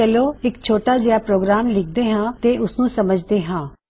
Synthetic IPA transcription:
əloːɪkt͡ʃʰoːʈaːd͡ʒɪjapɾoːɡɾaːmlɪk̚ʰd̪eːɦãːt̪eːʔʊsnũːsəməd͡ʒd̪eːɦãː

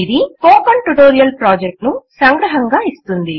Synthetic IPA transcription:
id̪ikoːpɐɳʈuʈoːɾijɐlpɾaːd͡ʒek̚ʈnusɐŋɡɾɐɦɐŋɡaːist̪und̪i

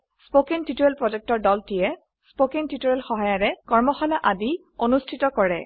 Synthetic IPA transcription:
spokintitoɹɛlpɹɔzɛk̚tɔɹdɔltijɛ | spokintitoɹɛlxɔɦajaɹɛkɔɹmɔxɔnaʔadi | onustʰitɔkɔɹɛ

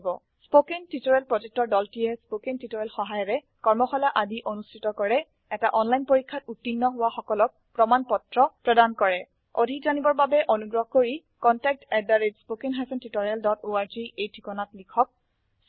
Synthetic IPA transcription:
bɔ | spokentitɔɹɛlpɹɔzɛk̚tɔɹdɔltijɛspokentitɔɹɛlxɔɦajɔɹɛ | kɔɹmɔxɔlaʔadiʔonustʰitɔkɔɹɛ | ɛtaʔɔnlajnpoɹikʰːatutːinːɔɦʊwaxɔkɔlɔk̚pɹɔmanpɔtɹɔpɹɔdankɔɹɛ | odʱikzanibɔɹbabɛʔonuɡɹɔɦɔkoɹi | kɔntɛk̚tɛdaɹedspokenɦapɔntitɔɹaldɔtoaɹziejtʰikɔnatlikʰɔk̚

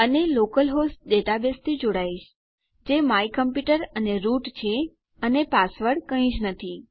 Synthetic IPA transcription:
ənelokəlɦosʈ̚ɗeʈabest̪ʰid͡ʒoɽaiʃ | d͡ʒemaikəmpjuʈəɾəneɾuʈt͡ʃʰe | ənepasʋəɽkəĩd͡ʒnət̪ʰi

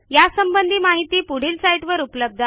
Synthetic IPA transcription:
jasəmbənd̪ʱiːmaɦit̪iːpuɽ̤iːlsajʈʋəɾupləb̚d̪ʱa

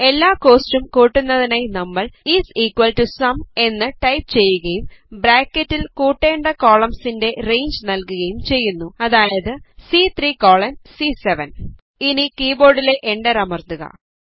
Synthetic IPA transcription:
e̞lːaːko̞ːstumkuːʈːunːɐðinaːjnɐmːɐɭiːsiːkwɐlʈusɐme̞nːɨʈɐjp̚t͡ɕe̞jːuɣɐjumbɾaːkːɐtːilkuːʈːe̞ːɳɖɐko̞ːɭɐmsinde̞rejɲd͡ʑnɐlkuɣɐjumt͡ɕe̞jːunːuɐðaːjɐðɨsit̪ʰriːkoːɭɐmsiseʋɐn | inikiːbo̞ːɽile̞ʔeɳɖɐɾɐmɐrt̪uɣɐ̰

